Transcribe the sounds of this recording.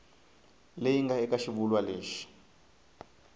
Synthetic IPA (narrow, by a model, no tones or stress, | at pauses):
lejiŋɡaɛkʼaʃiɓulwaleːʃi̥